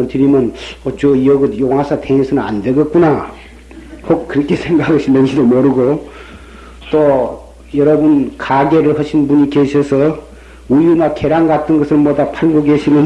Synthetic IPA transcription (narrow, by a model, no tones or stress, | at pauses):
ʌɭtɯɾimjʌnʌt͡ɕoiʌɡɯtjoŋɦasʰatʰeŋisʰɯnɯna̰ndweɡʌk͈una | hok̚kɯɾʌkʰesʰeŋɡaɡɯɭɕʰinːʌnd͡ʑidomʌɾɯɡo | t͈o | jʌɾʌbunkaɡe̞ɾɯɭhʌɕʰinbuɲikeɕʰʌsʰʌ | ujunakeɾaŋɡatʰɯnɡʌsʰɯmʌdapʰaɭɡoɡeɕʰinɯn